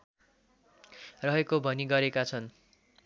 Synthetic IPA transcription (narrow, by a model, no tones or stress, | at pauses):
rʌɦekobʱʌniɡʌɾekat͡sʰʌn